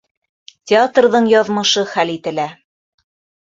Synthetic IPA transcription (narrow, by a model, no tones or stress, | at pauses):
tʲɪat̪rðɤɴjɑðmɤ̆ʃɤχælit̪ɘ̆læ